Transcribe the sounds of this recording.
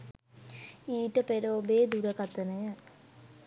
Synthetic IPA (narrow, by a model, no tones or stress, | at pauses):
iːʈəpeɾoːbeːd̪uɾəkat̪ənəjə